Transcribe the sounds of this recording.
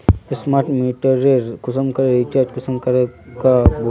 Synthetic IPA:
esmaːɾʈmiʈəɾeɾkʊsəmkɐɾeɾit͡ʃaːɾd͡ʒkʊsəmkɐɾekab

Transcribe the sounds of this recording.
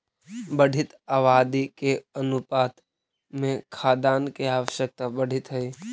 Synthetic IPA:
bəɽ̤ʱɪt̪aːʋaːd̪ikeənʊpaːt̪ | mẽkʰaːd̪aːnkeaːwəʃjək̚t̪abəɽ̤ʱɪt̪ɦəi

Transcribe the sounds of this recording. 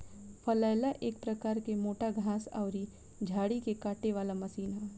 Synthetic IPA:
pʰɐlaːlaʔeːk̚pɾɐkaːɾkemoːʈaɡʱãːsa̰ʊɾi | d͡ʒʱaːɽikekaːʈeʋaːlamɐsiːnɦɛː

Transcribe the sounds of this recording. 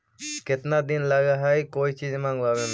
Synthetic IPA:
kɪt̪naːd̪ɪnlaːɡaːɦaːikoːiːt͡ʃiːd͡ʒmãːŋɡʋaːʋẽːm

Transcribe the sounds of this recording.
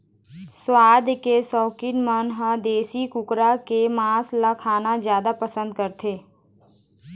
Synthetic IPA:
swaːd̪ʱkesɔːkɪʈmənɦãd̪eːsikʊkɾakemaːslakʰaːnazjaːd̪apəsə̃nd̪̚kəɾt̪ʰeː

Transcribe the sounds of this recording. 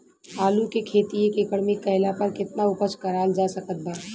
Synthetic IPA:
aːlukekʰeːt̪iekekəɽmẽkɐɪlapɐɾkɪt̪naʊpəskɐɾaːld͡ʒaːsɐkət̪̚baː

